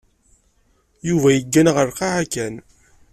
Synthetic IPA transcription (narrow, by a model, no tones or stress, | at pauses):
juvæjəɡːænʁəɾqɑʕakæn